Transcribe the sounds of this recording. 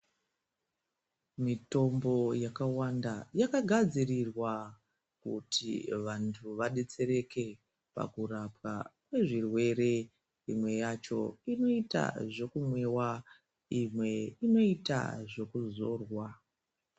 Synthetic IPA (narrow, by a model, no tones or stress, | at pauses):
mito̞mbo̞jakawandajakaɡʱad͡zirirwa | kutʰḭʋantʰuʋaɗet͡se̞ɾe̞ke̞ | pa̰kurapwa̰kwe̞ʐirwe̞ɾe̞ | imwe̞jat͡ʃo̞̰ino̞ita̰ʐo̞kumwe̞wa | imwe̞ino̞ita̰ʐo̞kuzo̞ːrwa